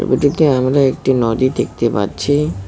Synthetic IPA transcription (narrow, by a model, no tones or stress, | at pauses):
biʈud̪iamɾaek̚ʈinɔd̪id̪ek̚t̪epa̰ɾt͡ɕʰi